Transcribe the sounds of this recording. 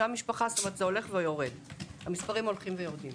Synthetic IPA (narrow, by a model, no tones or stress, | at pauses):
amiʃpaχast̪omeʁt̪zeo̞le̞χvejo̞ʁed̪hamispaʁimo̞lχimvejo̞ʁd̪im